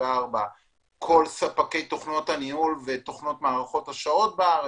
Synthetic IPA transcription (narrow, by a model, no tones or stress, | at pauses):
aʁba | kʰo̞lsapake̞jto̞χno̞thanihulve̞t̪o̞χno̞tmaːʁaχo̞taʃao̞t̚beaʁ